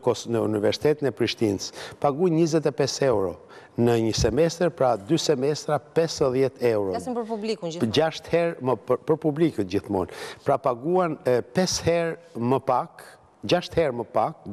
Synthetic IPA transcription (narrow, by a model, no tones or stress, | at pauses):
kɔnəunivɛɾsi̥t̪ɛt̪inɛpɾiʃt̪inspaɡujɲəzɛt̪ɛpɛsɛwɾɔ | nəɲəsɛmɛst̪ɾpɾad̪ysɛmɛst̪ɾapɛsðjɛt̪ʰɛwɾɔublid͡ʒaʃt̪hɛɾməpəɾpublikəd͡ʑiθmɔ̰npɾapaɡuanpɛshɛɾ | məpak | d͡ʑaʃt̪hɛɾməpak̚